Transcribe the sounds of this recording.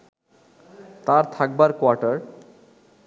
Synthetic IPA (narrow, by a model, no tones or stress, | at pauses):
t̪aɾt̪ʰak̚baɾkwaʈaɾ